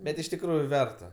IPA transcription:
ˈbʲɛt ɪʃ tʲɪkˈruːjʊ ˈʋʲɛrtɐ

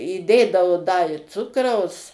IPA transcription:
iːˈdʲeːdɐoː dɐ ɪ ˈt͡sʊkrɐʊs

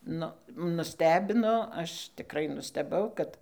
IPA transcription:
ˈnʊ nʊˈsʲtʲæːbʲɪnoː ˈɐʃ tʲɪˈkrɐɪ nʊsʲtʲɛˈbɐʊ kɐt

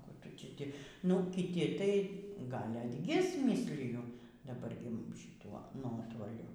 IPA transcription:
ˈkuː ˈtʊ tʲɪ ˈtʲɪ nʊ kʲɪˈtʲɪ tɐɪ ˈɡɐlʲ ɐdʲˈɡʲɪs ˈmʲiːsʲlʲɪjʊ dɐˈbɐr ɡʲɪ ʃʲɪˈtuɔ ˈnuɔtoːlʲʊ

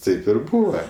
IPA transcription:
ˈtɐɪp ɪr ˈbuːʋɐ

